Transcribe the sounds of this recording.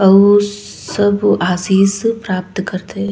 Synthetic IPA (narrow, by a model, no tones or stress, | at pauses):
ɐ | sɐbaːsiːzpɾaːp̚t̪kɐɾt̪e